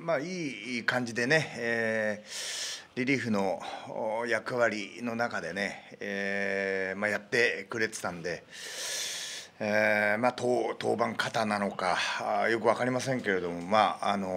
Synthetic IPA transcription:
maːiːkãɲ̟d͡ʑid̪e̞ne̞eː | ɾʲiɾʲiːɸɯ̟no̞ | jakɯ̟βaɾʲino̞nakad̪e̞ne̞e | majat̪ːe̞kɯ̟ɾe̞t͡se̥t̪ãnd̪e̞ | emaːt̪ot̪o̞ːbãŋkʰat̪anano̞kajo̞k̬ɯ̟βakaɾʲimasẽ̞ŋke̞ɾe̞d̪o̞mo̞maano̞

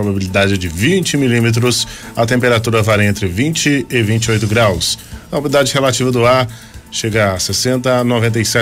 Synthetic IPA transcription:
ɾobabilid̪ad͡ʒɪd͡ʒɪvĩt͡ʃɪmilimet̪̬ɾʊsɐt̪ẽmpeɾat̪uɾɐvaɾẽnt̪ɾɪvĩnt͡ʃɪɪvĩnt͡ʃɪojt̪ʊɡɾawsɐobid̪ad͡ʒɪhelat͡ʃivɐd̪ʊaɾ | ʃeɡɐasesẽnt̪ɐnovẽnt̪̬ejsɛ

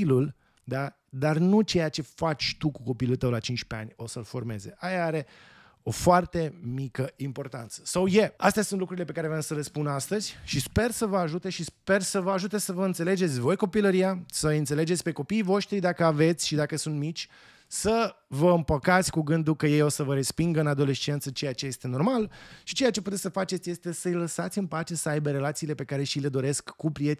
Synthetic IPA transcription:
lul | d̪a | d̪arnut͡ʃe̞jat͡ʃe̞fat͡ʃʲt̪ukuko̞pilult̪əwlat͡ʃint͡ʃpe̞a̰nʲo̞səlfo̞rme̞̰ze̞̰ʔajaaɾe̞ | o̞foart̪e̞mikəimpo̞rt̪a̰nt̪sə̥sawje̞ast̪easunt̪lukɾuɾilepe̞kaɾevamsəle̞spunast̪əz̥ʲʃispe̞rsəvəaʒut̪e̞ʃispe̞rsəvəaʒut̪e̞səvəɨnt̪se̞le̞d͡ʒe̞t̪sʲvo̞jko̞piləɾijasəɨnt̪sele̞d͡ʒet̪sʲpe̞ko̞piːvo̞ʃt̪ɾid̪akəave̞t̪sʲʃid̪akəsunt̪mit͡ʃʲ | səvəɨmpəkat̪sʲkuɡɨnd̪ukəje̞jo̞səvəɾe̞spiŋɡɨnad̪o̞le̞t͡ʃe̞nt̪sət͡ʃe̞jat͡ʃe̞je̞st̪e̞no̞rmalʃit͡ʃe̞jat͡ʃe̞put̪e̞sʲsəfat͡ʃet̪sʲje̞st̪e̞səjləsat̪sʲɨnpat͡ʃe̞səajbeɾe̞lat̪siːle̞pe̞kaɾe̞ʃile̞d̪o̞ɾe̞skːupɾie̞t̪ʲ

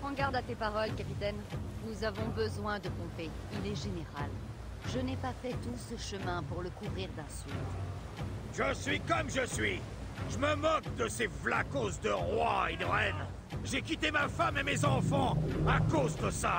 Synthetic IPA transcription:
ɑ̃ɡaʁd̪at̪epaʁɔlkapit̪ɛnnuzavɔ̃bəzwɛ̃d̪əpɔ̃pe | ilɛʒeneʁal | ʒənɛpafɛt̪usəʃəmɛ̃puʁləkuvʁiʁd̪ɛ̃sylt̪ | ʒəsɥikɔmʒəsɥi | ʒəməmɔk̚d̪əsevlakosd̪əʁwa̰ed̪əʁɛn | ʒekʲit̪emafamemezɑ̃fɑ̃akozd̪əsa

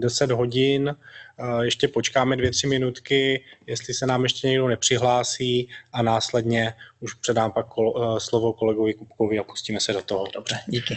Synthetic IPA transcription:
dɛsɛd̪ɦo̞ɟɪn | jɛʃcɛpot͡ʃkaːmɛdvjɛt̪r̝̥ɪmɪnut̪kɪjɛst̪lɪsɛnaːmjɛʃcɛɲɛɡdonɛpr̝̥ɪɦlaːsiːʔanaːslɛdɲɛuʃpr̝̥ɛdaːmpakːoslo̞vo̞ko̞lɛɡo̞vɪkup̚ko̞vɪapu̥sciːmɛsɛdo̞t̪oɦodobrɛɟiːkɪ

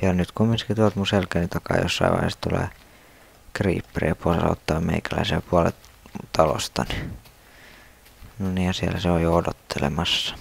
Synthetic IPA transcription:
jɑnyt̪kumːinskit̪uɑlt̪muselkænit̪ɑkɑ̰ːjo̰sːɑḭʋɑ̰ihḛːst̪ulḛː | krḭːpːrḛɑposɑ̰o̰t̪ːɑːmmeikælæisepuɑlḛ | t̪ɑlo̰st̪ɑni̥ | nonijɑsiælæseojjoodot̪ʰːelḛmɑsːɑ̥

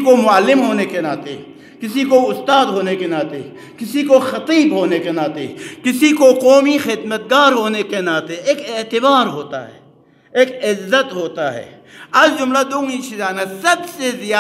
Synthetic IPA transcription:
komʊəlːɪmɦoːnekenaːt̪ḛ | kɪsikoʊst̪aːd̪ɦoːnekenaːt̪ḛ | kɪsikoxɐt̪iːbɦoːnekenaːt̪ḛkɪsikoqɔːmixɪd̪mət̪̚ɡaːɾɦoːnekenaːt̪eeːkeːt̪ɪbaːɾɦoːt̪a̰ɦɛ̰ː | eːkɪzːət̪ɦoːt̪aɦɛ̰ː | ɐd͡ʒʊmlad̪oːŋĩt͡ʃʰizaːnasɐbsezɪjaː

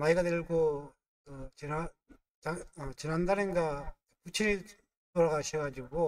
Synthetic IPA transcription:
maiɡadeɭɡo | kɯt͡ɕɯna | aʌt͡ɕɯnandaɾɯnɡa | kut͡ɕʰiɾi | toɾaɣaɕʰʌɡad͡ʑiɡo

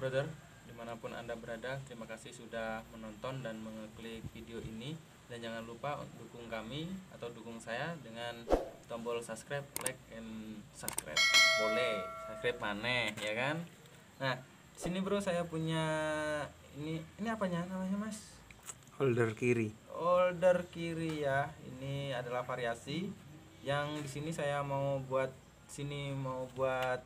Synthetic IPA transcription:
bɾodər | dimanapʊnʔa̰ndabəɾadat̪əɾimakasɪhsudahmənɔnt̪ɔndanməŋəklɪk̚fideoʔini | dand͡ʒaŋanlupa̰dukʊŋkamiat̪awdukʊŋsajadəŋant̪ɔmbɔlsapskɾap̚lak̚ɛnsapskɾa̰p̚bolɛsaskɾap̚manɛhjakanː | ah | disinibəɾʊsajapuɲa | ḭniːniapaɲanamaɲamas | ɔldərkiɾiɔldərkiɾijaḭniadalahfaɾiasi | jaŋdisinisajamaubuat̪̚ | sinimaubuat̪̚

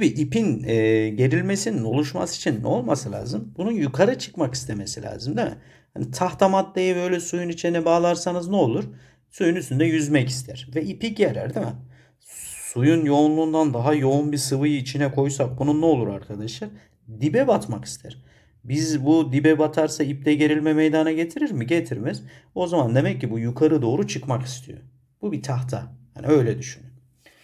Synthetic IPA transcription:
abiʔipinɛːɟe̞ɾilʲme̞sinino̞lˠuʃma̰si̥t͡ʃʰinːɛ̰o̞lˠmasɯlʲa̰ːzɯmb̥ununjukʰaɾat͡ʃʰɯ̥kmaki̥st̪ʰeme̞silʲa̰ːzɯmd̪imɛ̰ | hanit̪ʰaxt̪ʰamat̪lˠajɯbø̞jlʲɛsujunit͡ʃʰinɛbaːlˠaɾsanɯznɛo̞lˠuɾ | sujunyst̪ynd̪ɛjyzmɛci̥st̪ʰæɾ̥vɛipiɟeɾæ̰ɾd̪imɛ | sujunjo̞unlˠuːnd̪and̪aɦajo̞unbiɾsɯvɯjɯit͡ʃʰinɛkʰo̞jsak̚bununːɛo̞lˠuɾaɾkʰad̪aʃlˠaɾ | d̪ibɛbat̪maki̥st̪ʰæɾ̥ | bizbud̪ibɛbat̪ʰaɾsaip̚d̪ɛɟe̞ɾilʲmɛmejd̪anaɟe̞t̪ʰiɾiɾmiɟe̞t̪ʰiɾmɛz̥o̞zamand̪e̞mɛcːibujukʰaɾɯd̪o̞ːɾut͡ʃʰɯkmaki̥st̪ʰijo̞̰ | b̥ubit̪ʰaxt̪ʰa̰ha̰niø̞jlʲɛd̪yʃynyn

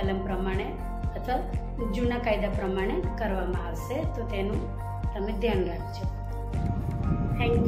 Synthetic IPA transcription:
ələmpɾəmaɽ̃e | ət̪ʰʋa | d͡ʒunakajd̪apɾəmaɽ̃ekəɾʋamãaʋʃet̪ot̪enũ | t̪əmed̪ʱjanɾak̚ʰt͡ʃʰo | t̪ʰɛ̃ŋk

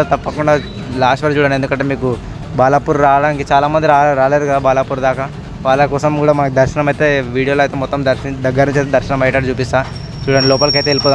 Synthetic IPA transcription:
t̪ɐpːɐkuɳɖaː | laːsʂʈʋɐɾt͡ʃuːɽɐnend̪ukɐɳʈ̬ːeːmiːku | baːlaːpuːɾɾaːɽaːŋkit͡ʃaːlaːmɐnd̪iɾaːɾaːleːɾukɐd̪aːbaːlaːpuːɾd̪aːkɐ | ʋaːlakɔːsɐmkuːɽaːmɐnɐkid̪ɐɾʃɐnɐmɐjt̪e̞ːʋiːɽijoloɐjt̪emɔt̪ːɐmd̪ɐɾd̪ɐɡːɐɾɐnt͡ʃet̪ed̪ɐɾʃɐnɐmɐjʈɐʈit͡ʃuːpist̪aː | t͡ʃuːɽɐnilɔːpɐlk̬iɐjt̪eːlipoːd̪

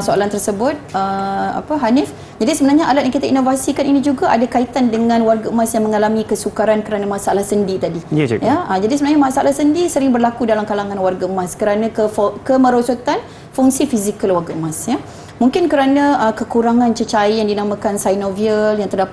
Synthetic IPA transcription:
soalant̪ərsəbʊt̪̚əa̰pəɦanɪf | d͡ʒadisəbənarɲaʔalat̪̚jaŋkit̪ainovasikaninĩd͡ʒuɡaʔadakait̪andəŋãnwarɡamasjaŋmə̃ŋalamikəsukaɾankəɾanamasaʔalahsəndit̪adijaəd͡ʒadisəmənarɲamasaʔa̰lahsəndisəɾɪŋbərlakudalamkalaŋãnwarɡamãskəɾanãkəkəmə̃ɾosot̪an | fuŋsifizikəlwarɡamãsja | muŋkɪnkəɾanãʔəkəkuɾaŋãnt͡ʃət͡ʃaijaŋdinamãkansajnoviəljaŋt̪ərdap

